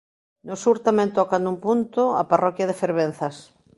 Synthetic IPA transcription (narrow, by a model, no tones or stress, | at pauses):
nosuɾt̪amɛ̃nt̪ɔkand̪umpunt̪oa̰parɔkjað̞efeɾβen̟θas